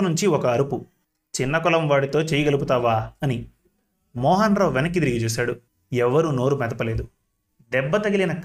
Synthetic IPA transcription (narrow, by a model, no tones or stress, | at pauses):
nuɲt͡ʃiɔkɐːɾupu | t͡ʃinːɐkɔlɐmʋaːɽit̪o̞ːt͡ʃeːjɐɡɐluput̪aːʋaːɐni | mɔːɦɐnɾoːʋɛnɐkːid̪iɾiɡit͡ʃuːs̬aːɽu | ɛʋɐɾuno̞ːɾumɛd̪ɐpɐle̞ːd̪u | d̪ɛbːɐt̪ɐɡilinɐk